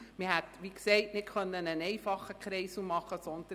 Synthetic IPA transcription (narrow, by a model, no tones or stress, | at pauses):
mɪhætʋiksɛɪtnɪtkʰœnːənənɛɪfɑχəkχɾɛɪsumɑχəsɔnd̥̪ə